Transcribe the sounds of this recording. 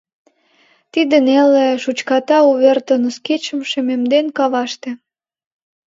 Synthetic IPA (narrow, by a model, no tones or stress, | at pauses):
t̪id̪əneleʃut͡ɕkɑt̪ɑuβert̪ənəsket͡ɕə̆mʃĕmemd̪enkɑβɑʃt̪ĕ